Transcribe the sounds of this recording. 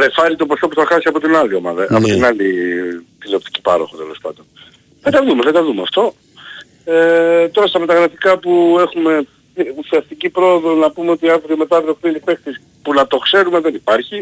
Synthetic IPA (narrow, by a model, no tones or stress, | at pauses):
ɾefɐɾit̪o̞pɾosto̞puθɐxɐsiɐpo̞t̪inɐlio̞mɐ̰ðɐːpot̪iinɐlit̪iliopt̪i̥ci̥pɐ̰ɾo̞xot̪ele̞̰spɐ̰d̪on | ðed̪ɐðumeðed̪ɐðumeɐft̪o̞ | et̪o̞ɾɐst̪ɐme̞t̪ɐɣɾɐfikɐpue̞xume̞ | usiɐst̪icipɾo̞oðo̞nɐpumeot̪iɐvɾijome̞t̪ɐvɾiopinipe̞xt̪is | punɐt̪o̞kse̞ɾumeðe̞nipɐɾçi